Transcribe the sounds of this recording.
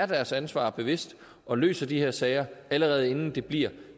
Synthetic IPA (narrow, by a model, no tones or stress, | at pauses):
ɐd̥æɐsænsʋɑ̰̈ːb̥e̝ʋe̝sd̥ | ʔɒ̽lø̰ːsɐd̥iheɐ̰sɛɪɐæləʁɛːð̞̩ˠe̝nn̩d̥e̝b̥liɐ